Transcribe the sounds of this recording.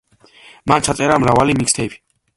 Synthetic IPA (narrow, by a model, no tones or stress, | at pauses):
mant͡ʃʰat̪sʼɛɾamɾavalimikst̪ʰɛbʰi̥